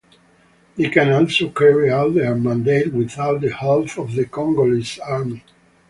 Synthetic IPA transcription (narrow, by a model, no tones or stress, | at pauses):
ekæ̃nɔlsokʰɛɹiawt̪əəmãnd̪eɪt̪wiθawt̪̚d̪əhɛlθɔvðəkɔ̃ŋɡolisaɹmi